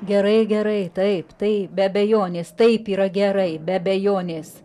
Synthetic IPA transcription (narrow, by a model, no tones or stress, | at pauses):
ɡʲɛɾɐɪɡʲɛɾɐɪt̪ɐɪpt̪ɐɪbʲɛɐbʲɛjoːnʲeːst̪ɐɪpiːɾɐɡʲɛɾɐɪbʲɛɐbʲɛjoːnʲeːs